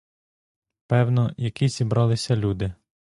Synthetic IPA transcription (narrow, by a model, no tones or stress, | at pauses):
pɛwnɔjɐkizʲibɾɑlˠɪsʲɐlʲud̪ɪ